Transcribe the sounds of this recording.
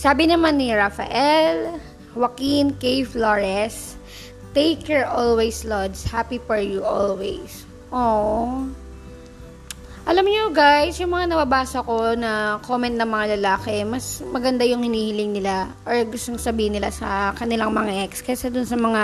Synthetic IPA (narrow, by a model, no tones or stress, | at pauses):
saːbɪnɐmanːɪɹafɐ̰ʔɛl | wɐkinkejfloɹɛs | t̪ejkjɛɹʔolwɛjslod̪shapifɔɹjuʔolwɛjs | ʔoːʔ | ʔɐlamɲoɡajsjʊŋmɐŋanɐbabaːsɐko̞nɐkomɛnt̪̚nɐŋmɐŋalɐlaːkɛmɐsmɐɡɐnd̪ajʊŋhɪniːhɪlɪŋnɪlaʔoɹɡʊst̪oŋsɐbiːhɪnɪlasɐkɐnɪlaŋmɐŋaʔɛkskɐsɛd̪ʊnsɐmɐŋa